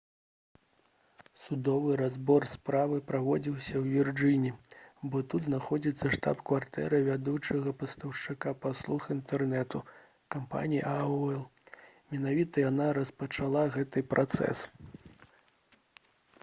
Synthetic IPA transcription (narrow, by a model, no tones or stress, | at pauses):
sud̪ɔvɨɾazbɔrspɾavɨpɾavɔd͡zʲiwsʲɐwvʲird͡ʒɨnʲibɔt̪ud̪znaxɔd͡zʲit̪sːɐʂt̪a̰pkvart̪ɛ̰ɾɐvʲad̪ut͡ʂɐɣɐpɐst̪ɐwʂt͡ʂɨkapaslˠuxint̪ɛrnɛt̪u | kampa̰nʲijiaɛlˠ | mʲɛnavʲit̪ɐjanaɾɐspɐt͡ʂalˠaɣɛt̪ɨpɾʔat̪sɛ̰s